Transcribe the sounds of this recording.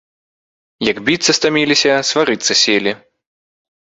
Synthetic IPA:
jɐɡbʲit̪sɐst̪amʲilʲisʲɐsvaɾɨt̪sːɐsʲelʲi

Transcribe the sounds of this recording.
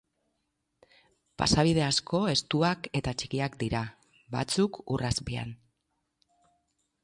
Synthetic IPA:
pa̰saβ̞iðe̞asko̞e̞st̪uake̞t̪at͡ʃikiakd̪iɾa | βa̰t͡sukurazpia̰n

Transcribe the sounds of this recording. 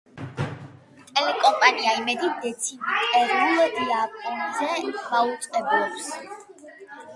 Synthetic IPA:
t̪ʼɛlɛkʼɔmpʼaniaimɛd̪id̪ɛt̪sʰinit̪ʼɛɾilɔd̪iapʼɔnzɛmaut̪sʼqʼɛblɔps

